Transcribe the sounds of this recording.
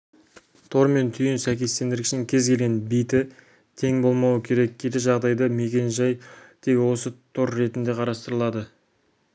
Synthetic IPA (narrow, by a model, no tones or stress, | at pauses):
t̪ʰo̞ɾme̞nt̪ʰʏjɪnsæjkʲe̞st̪e̞nd̪ɪɾɪkɪʃɪŋkʲʰe̞zkʲʰe̞lɡʲe̞nbijt̪ɪ | t̪ʰe̞ŋbo̞lˠmɑwəkʲʰe̞ɾe̞k̚ʲkʲʰːeɾeʒɑʁd̪ɑjd̪ɑme̞k̬ʲe̞nʒɑjd̪̥ʰeɡʲwo̞sət̪ʰo̞ɾːe̞t̪ɪnd̪e̞qʰɑɾɑst̪əɾəlˠɑd̪ə